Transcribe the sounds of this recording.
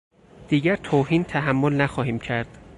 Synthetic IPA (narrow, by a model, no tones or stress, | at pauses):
d̪̥iːɟæɾt̪ʰoːhiːnt̪ʰæɦæmːolnæxɒːɦiːmcʰæɾd̪̥